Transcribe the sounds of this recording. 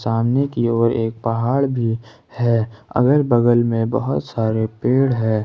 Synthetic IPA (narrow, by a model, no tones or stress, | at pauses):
saːmnekioːɾeːk̚pɐɦaːɽbʱi | hɛːɐ̰ɡəɾbəɡəlmẽbə̰ɦʊt̪saːɾepeːɽɦɛ̃ː